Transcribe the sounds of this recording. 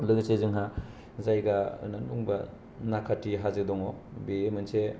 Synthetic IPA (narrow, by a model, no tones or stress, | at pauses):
lɯɡsezɯŋɦa | zajɡaɯ̰nanuŋbɐ | nakʰatːiɦazɯdɔŋɔbemɯnse